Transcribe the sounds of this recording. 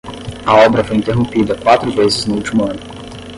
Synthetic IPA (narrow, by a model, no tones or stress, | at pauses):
ɐɔbɾɐfoɔjint̪eɦõmpid̪ɐkwat̪ɾʊvezɪznʊult̪imuɐnʊ